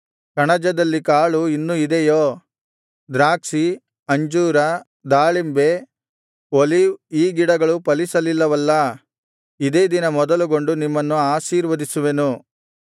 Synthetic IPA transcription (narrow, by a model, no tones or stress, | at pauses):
kɐɳɐd͡ʒɐd̪ɐlːikaːɭuinːuid̪ejoː | d̪ɾaːksi | ɐɲd͡ʒuːɾɐ | d̪aːɭimbe̞ | oliʋiːɡiɽɐɡɐɭupɐlisɐlilːɐʋɐlːɐ | id̪e̞ːd̪inɐmɔd̪ɐluɡo̞ɳɖunimːɐnːuaːʃiːɾʋɐd̪isuʋenu